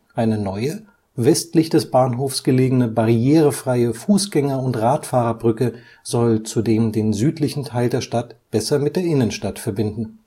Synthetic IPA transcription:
ʔaɪnənɔʏə | vɛstlɪçd̥ɛsb̥aːnɦoːfsɡ̥əleːɡənəbaʁieːʁəfʁ̥aɪəfuːsɡ̥ɛŋɐʊntʁaːtfaːʁɐbʁʏkə | zɔlt͡sudeːmdeːnzyːtlɪçn̩tʰaɪldeːɐʃtatb̥ɛsɐmɪt̚d̥eːɐʔɪnənʃtatfɛɐbɪndn̩

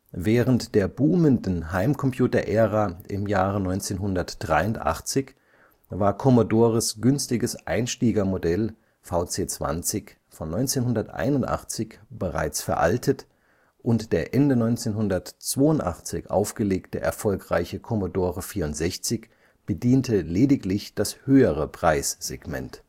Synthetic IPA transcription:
vɛːʁəntd̥eːɐbuːməndn̩ɦaɪmkʰɔmpʰj̥uːtɐʔɛːʁaːʔɪmjaːʁənɔʏnt͡seːnɦʊndɐtd̥ʁaɪʊntʔa̰χt͡sɪç | vaːɐkʰɔmodoːʁəsɡ̥ʏnstɪɡəsʔa̰ɪnʃtiːɡɐmodɛl | faʊt͡seːt͡sv̥a̰nt͡sɪç | fɔnːɔʏnt͡seːnɦʊndɐtʔa̰ɪnʊntʔa̰χt͡sɪçb̥əʁa̰ɪt͡sfɛɐʔa̰ltʰət | ʔʊntd̥eːɐʔɛndənɔʏnt͡seːnɦʊndɐtt͡sv̥oːʊntʔa̰χt͡sɪ̰çʔa̰ʊfɡ̥əleːktəʔɛ̰ɐfɔlkʁ̥a̰ɪçəkʰɔmodoːʁəfiːɐʊntz̥ɛçt͡sɪç | b̥ədiːntʰəleːdɪklɪçd̥ashøːəʁ̞əpʁ̥aɪsz̥eɡmɛ̰nt

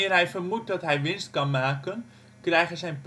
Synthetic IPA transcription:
ɪːrɦɛjfərmut̚dɔtɦɛjʋɪnst̚kɑnmaːkən | krɛjχəzɛjnp

